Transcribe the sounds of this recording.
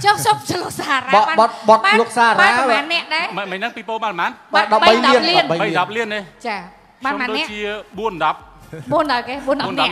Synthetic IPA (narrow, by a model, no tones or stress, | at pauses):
t͡ɕohsop̚səlosaːraɓɓaɓɑt̪̚ɓɑt̪aloək̚saːrɓaːmaːnːɛ̆əʔɗaɛmməɲ̚nɨŋpiːpoːɓanmaːnɓaɗɑp̚ɓəɓəjjlɗɑiən̚liənɓəɓəjɗɑp̚liənet͡ɕaː | ɓanmaːnɗoːnːɛ̆t͡ɕiəɓuənɗɑp̚ɓuənɗaɔjkeːɓuənɗɑnə